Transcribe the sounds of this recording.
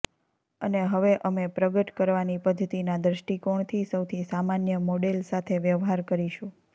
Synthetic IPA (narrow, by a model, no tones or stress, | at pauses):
əneɦəʋeʔəmepɾəɡəʈkəɾʋanipəd̪ʱət̪inad̪ɾəʃʈikoɳ̃t̪ʰisəwt̪ʰisamanjəmoɽelsat̪ʰeʋjəʋɦaɾkəɾiʃũ